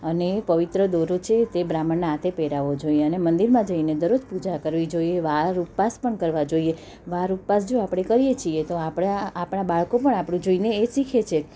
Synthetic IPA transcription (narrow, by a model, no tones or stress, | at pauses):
ənepəʋit̪ɾəd̪oɾot͡ʃʰet̪ebɾaməɳnaat̪ʰepeɾaʋod͡ʒoieənemənd̪iɾmãd͡ʒəined̪əɾod͡ʒpud͡ʒakəɾʋid͡ʒoieʋaɾuppaspəɳkəɾʋad͡ʒoie | ʋaɾuppasd͡ʒoapɽ̃ekəɾijet͡ʃʰiet̪oapɽaːpɳabaɭkopəɳapɽũd͡ʒoineːsikʰet͡ʃʰe